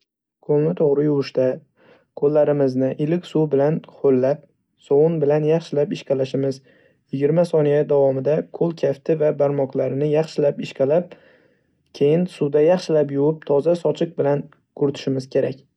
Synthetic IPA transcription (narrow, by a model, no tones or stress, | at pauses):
kʰolnɪt̪ʰoʁɾɪjʊwʊʃt̪a | kʰolːaɾɪmɪznɪʔɪlɪkʲsubɪlanχʰolːap̚ | sɒwʊnbɪlanjɑχʃɪlapɪʃqalaʃɪmɪz | jɪɡʲɪɾmasɒnijad̪avɒmɪd̪akʰolˠkʲʰaft̪ʰɪvabaɾmɒqlˠaɾɪnɪjɑχʃɪlapɪʃkalap̚ | kʲʰe̞jɪnsud̪ajɑχʃɪlapjʊwɪp̚t̪ʰɒzasɒt͡ʃʰɪq̚bɪlan | kʰʊɾt̪ʰɪ̥ʃɪmɪz̥kʲʰe̞ɾakʲ